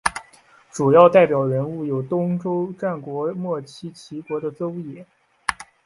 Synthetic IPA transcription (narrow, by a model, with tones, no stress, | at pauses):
ʈ͡ʂu˨˩jɑ˥˧ʊt̪a˥˩ɪpjɑ˨˩ʊɻə˧˥nu˥˩jo˨˩ʊt̪ʊ˥ŋʈ͡ʂo˥ʊʈ͡ʂa˥˩nkwɔ˧˥mwɔ˥˩t͡ɕʰi˥t͡ɕʰi˧˥kwɔ˧˥d̪ə˧t͡so˥ʊjɛ˨˩˦